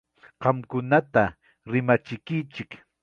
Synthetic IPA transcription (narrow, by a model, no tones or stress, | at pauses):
qɑmkʊnat̪a | ɾɪmat͡ʃɪkɪt͡ʃɪk